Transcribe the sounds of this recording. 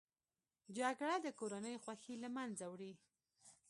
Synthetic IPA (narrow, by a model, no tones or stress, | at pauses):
d͡ʒaɡɽad̪əkoɾanəjxwaxilamanzawɽi